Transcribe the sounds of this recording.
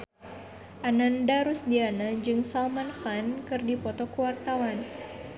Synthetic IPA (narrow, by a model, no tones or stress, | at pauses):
ʔanandaɾusdianad͡ʒɨŋsalmanxankɨrdipɔt̪ɔkuwart̪awan